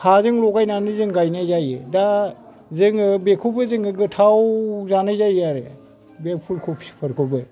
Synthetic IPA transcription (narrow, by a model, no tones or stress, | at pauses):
hʰazɯŋlɔɡajnanɯzɯŋɡajnazajeda | zɯŋɯbekʰubɯzɯŋɯɡɯtʰawzanajzajaɾe | bep̚pʰulkʰopʰi̥spʰəɾkʰɯbɯ